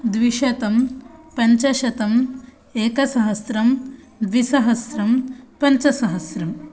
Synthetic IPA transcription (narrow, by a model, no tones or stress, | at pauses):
d̪ʋiʃɐt̪ɐmpɐɲt͡ʃɐʃɐt̪ɐm | eːkɐsɐɦɐsɾɐm | d̪ʋisɐɦɐsɾɐmpɐɲt͡ʃɐsɐɦɐsɾɐm